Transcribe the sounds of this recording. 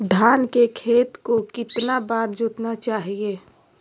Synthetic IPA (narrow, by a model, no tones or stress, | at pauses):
d̪ʱaːnkekʰeːt̪kokɪt̪nabaːɾd͡ʒot̪nat͡ʃaːɦie